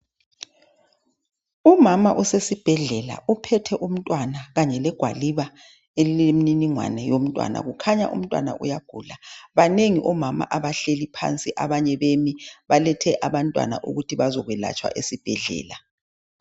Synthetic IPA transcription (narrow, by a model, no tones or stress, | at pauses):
umamaʔɔsesib̥ʱɛɮɛla̰upʰɛtʰɛʔum̩tʼwanaɣaɲɛlɛɡ̥ʱwaliβa | ellemininiŋwa̰nɛjom̩tʼwa̰na̰ɣukʰaɲa̰ʔṵm̩tʼwa̰na̰ʔṵjaɡ̥ʱulaβaneŋiʔɔmama̰ʔaβaɬelipʰa̰nt͡sʼiʔaβaɲɛβemiβalɛtʰɛʔaβantʼwa̰na̰ʔṵɣutʰiβazɔɣwɛla̰t͡ʃʼwa̰ʔesib̥ʱɛɮɛ̰ːla